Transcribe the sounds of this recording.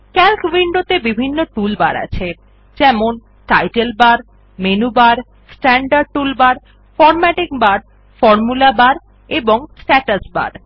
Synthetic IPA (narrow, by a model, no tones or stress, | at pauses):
kɛlkʋiɳɖot̪ebibʱinːoʈulba̰ɾa̰t͡ɕʰe | d͡ʑɛmon | ʈajʈelbaɾ | menubaɾ | sʈɛɳɖaɾɖ̚ʈulbaɾ | fɔɾmɛʈikbaɾ | fɔɾmulabaɾ | eboŋsʈɛʈasba̰ɾ